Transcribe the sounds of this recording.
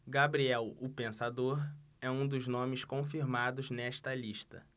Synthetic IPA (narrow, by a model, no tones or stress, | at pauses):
ɡabɾiɛwʊpẽsad̪oɾɛũd̪ʊznõmɪskõfiɾmad̪ʊznɛʃt̪ɐliʃt̪ɐ̰